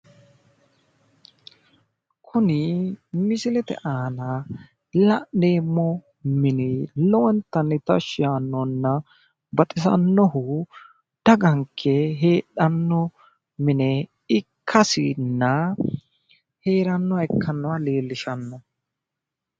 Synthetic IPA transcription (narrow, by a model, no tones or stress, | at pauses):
kʰʊnɪmɪsɪlɛt̪ɛ̰ʔaːnɐ | lɐʔneːmːɔ | mɪnɪlɔɔnt̪ːɐnːɛt̪ɐʃɪjaːnːɔnːɐ | bɐt̪ʼɪsɐ̰nːɔhʊ | d̪̥ɐɡɐŋkʰːɛɦeːᶑɐnːɔ | mɪnɛ | ɪkʰːɐsɪ̰nːɐ | heːɾɐnːɔɛkʰːɐnːɔwale̞ːlːɪʃɐnːɔ